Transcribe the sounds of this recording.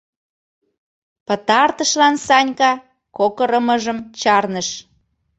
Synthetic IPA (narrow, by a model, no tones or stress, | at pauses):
pə̆t̪ɑrt̪əʃlɑnsɑnʲkɑ | kokəɾəməʒəmt͡ɕɑrnəʃ